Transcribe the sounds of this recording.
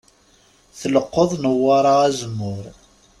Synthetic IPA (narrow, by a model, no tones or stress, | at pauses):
θələqːoðˤnəwːɑɾˤɑæzəmːʊɾ